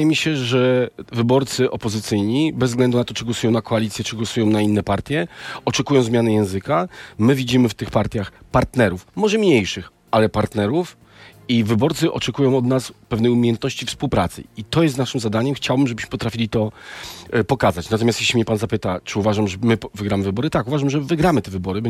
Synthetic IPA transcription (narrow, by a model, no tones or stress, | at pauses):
jɛmʲiɕɛʐɛvɘbɔɾt̪sɘʔɔpɔzɘt̪sɘjɲibɛzɡlɛnd̪unat̪ɔt͡ʂɨɡwɔsujɔ̃w̃nakɔalʲit̪sʲjɛt͡ʂɘɡwɔsujɔ̃w̃nainːɛpaɾt̪ʲjɛɔt͡ʂɛkujɔ̃w̃zmʲjanɛjɛ̃w̃zɘkamɘvʲid͡ʑimɘft̪ɘxpaɾt̪ʲjaxpaɾt̪nɛɾufmɔʐɛmɲejʂɘx | ʔalɛpaɾt̪nɛɾuf | ivɘbɔɾt̪sɨʔɔt͡ʂɛkujɔ̃w̃ɔd̪naspɛvnɛjumʲejɛnt̪nɔɕt͡ɕifspuwpɾat̪sɘ̰it̪ɔjɛst̪naʂɘmzad̪aɲɛmxt͡ɕawbɘmʐɛbɘɕmɘ̥pɔt̪ɾafʲilʲit̪ɔ | pɔkazat͡ɕnat̪ɔmʲjast̪jeɕlʲimɲɛpanzapɘt̪at͡ʂɘuvaʐamʐɛmɘvɘɡɾamɘvɘbɔɾɘt̪akuvaʐamʐɛvɘɡɾamɘt̪ɛvɘbɔɾɘbɔ